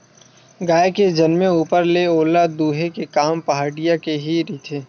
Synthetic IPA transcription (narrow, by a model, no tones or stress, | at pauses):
ɡaːjked͡ʒɐnmeuːpəɾleoːlad̪uːɦekekaːmpɐɦaːɽijakeɦiɾiːt̪ʰeː